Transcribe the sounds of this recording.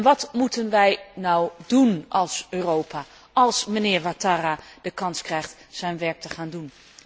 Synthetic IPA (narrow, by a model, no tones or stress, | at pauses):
nʋɑtmutənʋɛjnɔwdunʔɑlˠsøːrowpaː | ɑlˠsmənɪːɹʋataːrad̥əkɑnskrɛjχtz̥ɛjnʋɛɹk̚təχaːndun